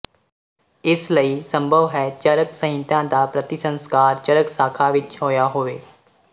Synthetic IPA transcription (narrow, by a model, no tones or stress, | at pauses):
ɪsləiːsə̃mbʱəʋɦɛːt͡ʃəɾəksəɦɪ̃nt̪ãːd̪aːpɾət̪ɪsə̃nskaːɾt͡ʃəɾəksaːkʰaːʋɪt͡ʃɦoːjaːɦoːʋeː